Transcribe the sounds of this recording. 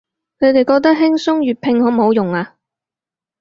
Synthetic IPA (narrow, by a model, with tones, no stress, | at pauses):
kʰɵ˨˧t̪e˨jkɔː˧k̚t̪ɐ˥k̚ɦɪ˥ŋsʊ˥ŋjyː˨˩t̚pʰɪ˧ŋhɔː˨˥m̩˨ɦo˨˧wjʊ˨ŋaː˧